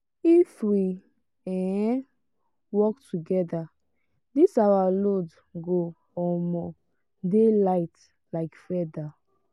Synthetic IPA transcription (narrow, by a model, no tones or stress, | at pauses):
ifwi | ɛ̃ɛ̃ | wɔktuɡɛda | disawalod | ɡo | ɔmɔ | delaɪt | laɪkfɛda